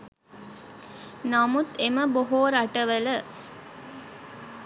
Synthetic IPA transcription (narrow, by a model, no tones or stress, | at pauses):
namut̪eməboɦoːɾaʈəʋələ